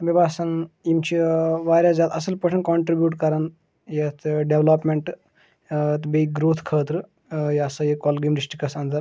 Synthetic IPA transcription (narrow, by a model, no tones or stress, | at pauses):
bibaːsɐnimt͡ʃʰiʋaːɾʲjazaːt̪ɐsɐlpɐʈʰɐnkoɳʈɾibjuːʈkɐɾɐn | jet̪ʰɖeʋlɐpmeɳʈ | t̪beiɡɾoːt̪ʰkʰəːt̪ɾɨ | jɐsɐjikɔːlɡiːmɖisʈɾikɐsɐnd̪ɐɾ